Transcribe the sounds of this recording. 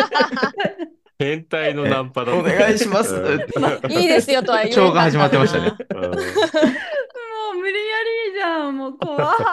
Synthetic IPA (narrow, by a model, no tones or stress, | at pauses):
hẽnt̪ainonãmpad̪oneɡaiɕimasɨaiːd̪e̞sɨjot̪okajt͡ɕoːɡaɦaʑimat̪ːemaɕit̪a̰ne | moːmɯɾʲijaɾʲiːʑãmoːkoa